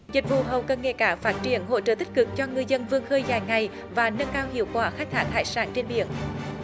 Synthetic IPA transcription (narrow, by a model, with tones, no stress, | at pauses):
zï˨˩k̟̚vṵ˧˨ɦə˨˩wkəː˧nŋḛ˧˨kaː˧˩˦faː˦˥t̚t͡ɕi˧˩ənɦo̰˧˥t͡ɕə̰˧˩t̪ï˦˥k̟̚kɨ˨˩k̚t͡ɕɔ˧ŋɨ˨˧əjzə˧nvɨ˧əŋxəː˧jzaː˨˩jŋa˨˩j | vaː˨˩nə˧nkaː˧whḭ˧˨əwkwaː˧˩xa˦˥k̚t̪ʰaː˦˥k̚ha̰ː˧˩jsaː˧˩˦nt͡ɕe˧nɓḭ˧˥˨ən